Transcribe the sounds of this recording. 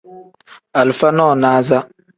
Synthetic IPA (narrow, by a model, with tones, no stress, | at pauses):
a˨lfa˦nɔ˦˨naː˦za˦